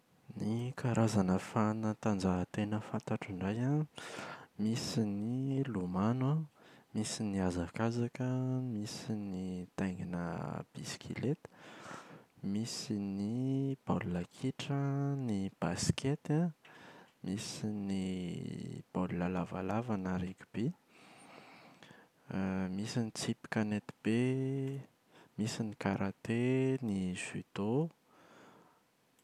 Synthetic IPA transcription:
nikʰaɾazanəfanət̪and͡zat̪enəfant̪aʈ͡ʂiɳɖ͡ʐaja | misinilumanamisiniazakazakəmisinit̪ajŋinə̰b̥isi̥kʰḭlet̪ | misinib̥alulakʰiʈ͡ʂənib̥askʲet̪a | misini | b̥alulalavalavanaɾekʲu̥b̥i | misinit͡sipi̥kʲanet̪i̥b̥e | misinikaɾʔat̪eniz̥yd̪̥o

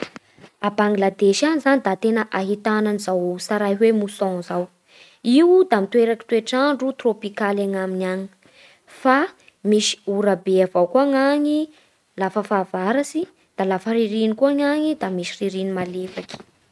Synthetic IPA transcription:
abaŋɡlad̪eʃanizanid̪at̪enəʔaɦit̪ananizawsaɾajɦwemusɔ̃zaw | iwd̪amit̪weɾaki̥t̪uweʈ͡ʂaɳɖ͡ʐut̪ropikalaŋaminaɲi̥ | fa | misi̥uɾabeavawkuaŋaɲi | lafəfavaɾasi | d̪̥alafəɾiɾinikuaŋaŋid̪amisi̥riɾinimalefaki̥

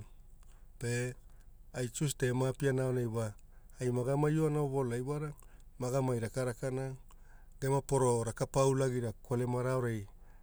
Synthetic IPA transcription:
pe | ajt͡ʃuste̞mapianaonajwaː | jmaɡamajoanaoβo̞lajwaɾa | maɡamajɾakaɾakana | ɡemapo̞ɾo̞ɾakapawlaɡiɾakwolemaɾaoɾej

